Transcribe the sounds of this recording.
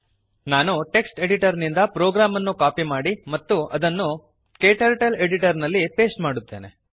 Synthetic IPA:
naːnuʈe̞ksʈe̞ɽiʈɐɾnind̪ɐpɾoːɡɾaːmɐnːukaːpimaːɽimɐt̪ːuʔɐd̪ɐnːu | keːʈɐɾʈɐle̞ɽiʈɐɾnɐlːipe̞ːsʈmaːɽut̪ːe̞̰ːne

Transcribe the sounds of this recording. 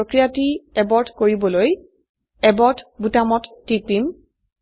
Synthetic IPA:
okɹijatiɛbɔɹtʰkoɹibɔloj | ɛbɔtʰbutamɔtːipim

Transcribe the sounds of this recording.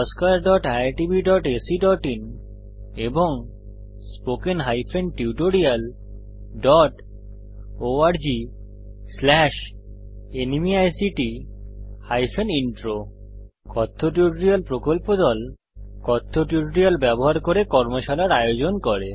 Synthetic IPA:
ɔskaɾɖɔʈajaɾʈibiɖɔʈesiɖɔʈin | eboŋ | spokenɦajpʰenʈiuuʈoɾial | ɖɔʈ | oaɾd͡ʑi | slɛʃ | enimiajsiʈi | hajfeniɳʈɾo | kɔt̪ʰːoʈ̬iuʈoɾialpɾokolpod̪ɔl | kɔt̪ʰːoʈuʈoɾialbɛboɦaɾkoɾekɔɾmoʃalaɾajod͡ʑonkɔɾe

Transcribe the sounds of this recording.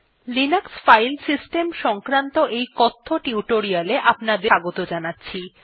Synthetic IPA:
linaksfajlsisʈemʃɔŋkɾant̪oʔejkɔt̪ʰːoʈiuʈoɾialeʔapnad̪eaɡot̪od͡ʑanatːɕʰi

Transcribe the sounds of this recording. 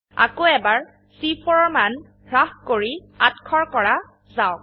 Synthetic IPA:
a̰koɛbaɹ | sipʰɔɹɔɹman | ɹahkoɹi | atkʰɔɹkɔɹa | zawk̚

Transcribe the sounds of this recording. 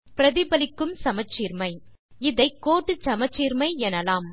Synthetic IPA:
pɪɾɐðɪbɐlɪkːɯmsɐmɐt͡ʃːiːɾmɐɪ | ɪðɐɪkːoːʈːɯt͡ʃɐmɐt͡ʃːiːɾmɐɪɛnɐlaːm

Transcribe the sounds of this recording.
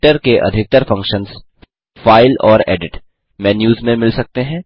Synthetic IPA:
ʈəɾkeʔɐ̰d̪ʱɪk̚t̪əɾfɐ̃ŋkʃənz | faːɪlɔːɾɛ̰ːɖɪʈ | mɛːnjuːzmẽmɪlsɐk̚t̪eɦɛ̃ː

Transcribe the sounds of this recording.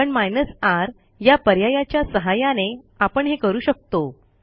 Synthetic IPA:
əɳmajnəsaɾ | japəɾjajat͡ɕjasəɦajãne | apəɳɦekəɾuːɕək̚t̪o

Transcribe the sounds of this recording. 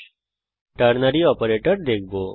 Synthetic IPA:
ʈəɾnəɾiɔːpəɾeːʈəɾd̪eːkʰboː

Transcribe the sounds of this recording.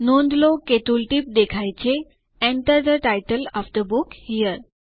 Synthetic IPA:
nond̪loket̪ulʈip̚d̪ekʰajt͡ɕe | ɛ̃ɳʈəɾd̪əʈajʈəlɔfd̪əbukhijəɾ

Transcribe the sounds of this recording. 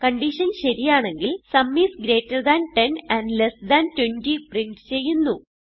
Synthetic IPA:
kɐɳɖiɕɐnɕɐɾijaːɳe̞ŋɡilsɐmːisɡɾe̞ːtːɐrd̪ɐnʈenɐnɖlesd̪ɐntwentipriɳʈst͡ɕe̞jːunːu

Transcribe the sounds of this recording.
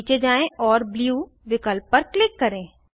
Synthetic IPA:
t͡ʃed͡ʒaːẽɔːɾbljuː | ʋɪkəlp̚ːɐɾklɪkːɐɾẽː

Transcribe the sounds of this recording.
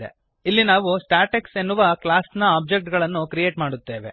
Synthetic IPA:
ḛ | ilːinaːʋusʈaːɾʈeksenːuʋɐklaːsnɐaːb̚d͡ʒek̚ʈɡɐɭɐnːukɾije̞ːʈmaːɽut̪ːe̞ːʋe̞̰

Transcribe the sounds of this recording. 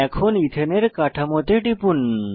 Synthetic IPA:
ɛkʰonit̪ʰeneɾkaʈʰɐmot̪eʈipun

